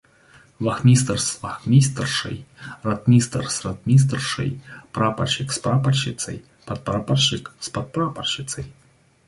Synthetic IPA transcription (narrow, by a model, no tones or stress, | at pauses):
vaxmʲist̪rsvaxmʲist̪rʂɨ̰jrat̪̚mʲist̪rsrat̪̚mʲis̬t̪rʂɨ̰jpɾapa̰rʃikspɾapɐrʃit̪sɐ̰j | pɐt̪̚pɾaparʃɨkspɐt̪̚pɾaparʂit̪sɐj